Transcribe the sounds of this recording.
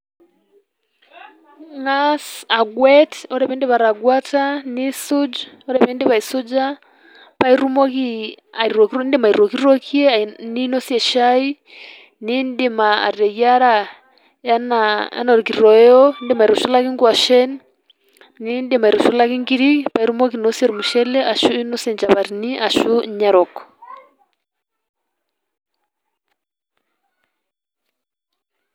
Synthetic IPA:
ŋasa˨ɡwɛtɔ˦ɾɛ˨βɛ˦ndɛ˦βa˨ɾa˨ɡwa˦tani˦su˦d͡ʒ | ɔ˦ɾɛ˨βɛ˦ndɛ˦βa˨i˨sɔ˦d͡ʒa˦ | pa˦iɾu˦mɔ˦ki˦a˨iɾɔ˨kndi˦ma˨i˨ɾɔ˨ki˦ɾɔ˦kʰiɛ˦ni˦nɔ˦si˦ɛ˨ʃa˦i˦ | ni˦ndi˨ma˨a̰˨ɾɛ˨ja˦ɾa | ja˦naja̰˦nɔ˨ɾki˨ɾɾɔ˨ɛɔ˦nde˦ma˨i˨ɾɔ˨ʃu˦la˦ki˦ŋɡwa˨ʃɛ˦n | ni˦ndema˨i˨ɾɔ˨ʃu˦la˦ki˦ŋɡi˦ɾi˦pa˨i˦ɾu˦mɔ˦k̬inɔ˦sɛ˨ɾumu˨ʃɛ˦lɛ˦ʔa˨ʃu˦i˦nɔ˦sjɛ˨nd͡ʒa˨βaɾini˦ʔa˨ʃu˦ɲa˦ɾɔ˨kɔ̥

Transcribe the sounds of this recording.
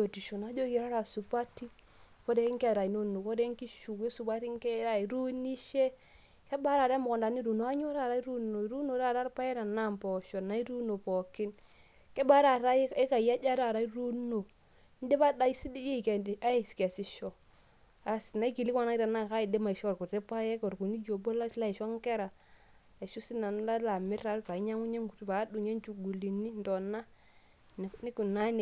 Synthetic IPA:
jo˨ti˨ʃo˨na˨˦d͡ʒo˦ki˨ɾa˦ɾa˨su˨pa˦ti˦ | ko˦de˦i˦ŋka˦˨ɾa˨i˨no˦nu˨ko˦de˦ŋ˦ki˦ʃu˨ke˦su˨ba˦ɾi˦ŋ˦ke˦ɾa˦i˨ɾu˦ni˦ʃe˦ | ke˦ba˦ɾa˨ɾa˦mʊ˨kɔ˨nda˨ni˦ɾu˨no˨˦a˦ɲo˦ɾa˦˨ɾa˦i˦ɾu˦no˨ɾu˦no˨˦ɾa˦˨ɾa˦ɾpa˦e˦na˨na˦˨mpɔ˨ʃɔ˨na˨˦i˦ɾu˦no˨pɔ˨kɪ˦n | ke˦ba˦ɾa˨ɾa˦e˦ka˨ja˦d͡ʒa˦ɾa˦˨ɾa˦i˦ɾu˦no˨˦ | n˦de˦ba˦da˦i˦si˦di˦je˦˨ke˨da˦i˨ske˨si˦ʃo˨ | a˨si˨na˦i˦ki˨li˦kʷa˦na˦i˦ɾa˨na˦˨ka˦i˨de˦ma˨i˨ʃku˨te˦pa˦je˦ko˨ɾku˨ni˦d͡ʒo˨bo˦la˦sla˦i˨ʃo˦ŋ˦ke˦ɾa˨ | i˨ʃu˦si˦na˨n˦la˦la˨mi˦ɾa˦ɾɾa˨i˦ɲa˦ŋu˦ɲe˦ŋɡu˨tu˦ba˨˦du˨ɲe˦n˦t͡ʃu˨ɡu˨li˨ni˦n˨do˨na˦ | n˨ni˦ku˨na˦n˨

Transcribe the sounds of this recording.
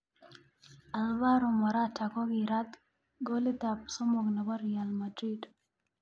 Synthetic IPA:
a˨lva˦ɾɔ˨mɔ˨ɾa˦ta˨kɔ˦ɡɪɾa˦t̪ | ɡo˦li˦t̪a˨p̚so˦mo˨ɡna˨ɡɔ˦ɾia˨lmadɾi˦d

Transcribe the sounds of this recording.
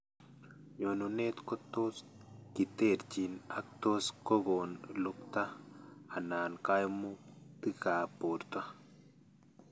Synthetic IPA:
jonune˦t̪kɔ˦t̪ːos | ki˨t̪e˦˨ɾt͡ʃi˨nak̚t̪o˦sko˦ɡo˨nlʊkt̪a˦a˨naː˨nkajmut̪i˦kaː˨poː˨ɾt̪a˦

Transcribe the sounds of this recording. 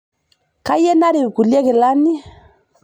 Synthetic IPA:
ka˦jɛ˦na˦ɾi˨ku˨li˦ɛ˦kɛ˨la˦ni˦

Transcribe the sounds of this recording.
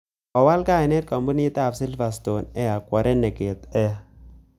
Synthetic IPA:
ɔ˨wa˦lkaː˦˨ɪ˨nɛ˦t̚ka˨mbu˦ni˦ta˦˨psi˦lfa˨s̬to˨nɛ˦ja˨kwɔ˨ɾɛ˦nɛ˨ke˨tɛ˦a˦˨

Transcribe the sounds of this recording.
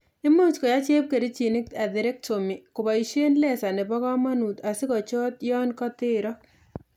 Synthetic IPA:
ɪ˦mu˦skɔ˨ja˦t͡ʃe˦p̚ke˨ɾi˦t͡ʃi˨nɪ˦k̚ta˨d̪ɪ˨ɾɛ˦k̚to˨mi˨kʊ˨ba˨i˨ʃe˦nlɛ˦˨sa˨ne˨bɔ˦ɡa˦ma˦nu˨t̪a˨sɪ˦kɔ˨t͡ʃɔ˦t̪jɔ˦nkɔ˦t̪ɪ˦ɾɔ˦

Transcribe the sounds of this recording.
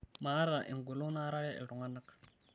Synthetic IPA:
ma˨˦ɾa˨ʔḭ˨ŋ˨ɡu˨lo˦na˦ɾa˦ɺa˦ʔɛ̰˨ɾu˨ŋa˦na˦k

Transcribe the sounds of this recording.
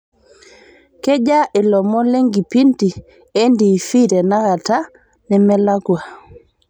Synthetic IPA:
kɛ˦ɟa˦ʔɪ˨lɔ˨mɔ˦le˦ŋɡi˨pi˦nti˨ | e˦ndi˨fi˦ɾɛ˨na˦ɣa˨ta˦ | nɛ˨mɛ˦la˦ɡwa˨

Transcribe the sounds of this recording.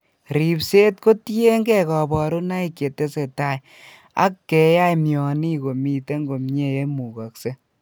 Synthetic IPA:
ɾi˨pse˦tko˦te˦ŋɡɛ˦kɔ˨bɔ˨ɾo˦na˦i˦kje˨te˦se˨ta˦j | a̰˦kːɛ˨˦ja˦jmjɔ˨ni˦ko˨mi˨te˦ŋɡo˨mɲe˦je˦mu˨ka˨kse˦

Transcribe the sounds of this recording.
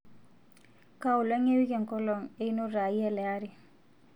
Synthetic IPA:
kau˨le˦ŋe˦wi˦ke˨ŋkɔ˦lɔ˨ŋe˦i˦no˦ɾa˨ie˦lɛ˨aɾi˨

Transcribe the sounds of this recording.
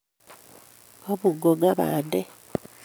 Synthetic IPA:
o˦βu˨ɡo˨ɡa˦βa˨de˦

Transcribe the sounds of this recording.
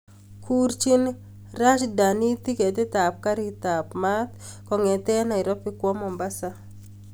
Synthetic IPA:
kʰu˦ɾt͡ʃi˦n | ra˦t͡ʃda˨ni˦t̪i˦ke˨te˦ta˨p̚ka˦ɾita˨pma˦t̪ | kɔ˨ŋɛ˨tɛ˦na˨ɪ˨ɾɔ˦pɪ˦kwɔ˦mɔ˨mba˦sa˦

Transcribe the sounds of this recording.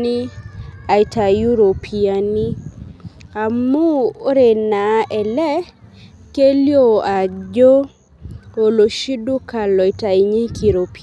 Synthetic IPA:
ni˦a˨jta˨ju˦ɾo˨pʰi˨ani˦ | a˨mu˦ɾe˨na˨˦ʔɛ˨lɛ˦ | ke˦ljo˦a˨d͡ʒo˦ | o˨lo˨ʃi˦du˦ka˨lɔ˨jta˨i˨ɲi˦kʰi˨ɾo˨p

